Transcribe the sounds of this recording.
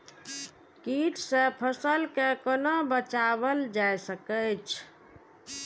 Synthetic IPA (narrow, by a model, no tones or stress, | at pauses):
kiʈsẽpʰəsəlkekənobət͡ʃaβəld͡ʒajsəkət͡ʃʰ